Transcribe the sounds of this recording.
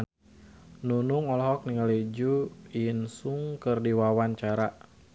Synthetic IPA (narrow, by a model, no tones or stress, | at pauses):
nunuŋɔlɔɦɔk̚niŋalid͡ʒuinsuŋkɨrdiwawaɲt͡ʃaɾa